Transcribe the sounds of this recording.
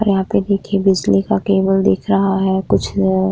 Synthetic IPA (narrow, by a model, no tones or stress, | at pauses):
ɾjɐɦãped̪eːkʰebɪd͡ʒlikakeːbəld̪eːkʰɾɐɦaɦɛkʊt͡ʃʰː